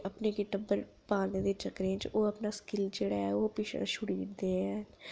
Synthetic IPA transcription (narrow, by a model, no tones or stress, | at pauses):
əpneːɡɪʈəbəɾ | paːlneːd̪eːt͡ʃəkɾẽt͡ʃoːəpnaːskɪld͡ʒeːɽaːɛːoːpɪːʃa̰ːʃʊɽiːnd̪eːɛ̃ː